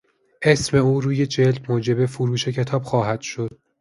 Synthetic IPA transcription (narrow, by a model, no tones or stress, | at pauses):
ʔesme̞uːɾuːje̞d͡ʒeld̪moːd͡ʒe̞be̞foɾuːʃe̞cʰe̞t̪ʰɒːb̥xɒːɦæd̪̥ʃo̞d̪̥̚